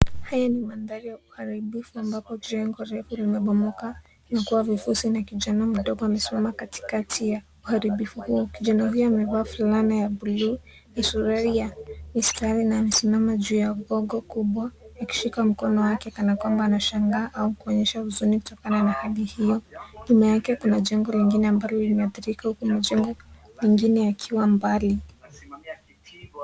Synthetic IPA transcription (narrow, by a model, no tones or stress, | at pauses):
hajanimandaɾijauhaɾiɓifuambapɔd͡ʒɛŋɡɔɾɛfulimɛɓɔmɔka | nakuwavifusinakiʄanɔm̩ɗɔɡɔamɛsimamakati̥katʰija | uhaɾiɓifuhuɔkiʄanɔɦijɔamɛvaːfulanajabulu | nisuɾaɾijamistaɾinaːnɛsimamaʄuːjaɡɔɠɔkuɓwaaki̥ʃikam̩kɔnɔwakɛkanakwambaːnaʃaŋɡaːʔaukuɔɲɛʃauzuniku̥tɔkananahalihijɔɲumajakɛkunaʄɛŋɡɔliŋɡinɛambalɔlimɛaθiɾikahukunaʄɛŋɡɔ | liŋɡinɛakʰiwambali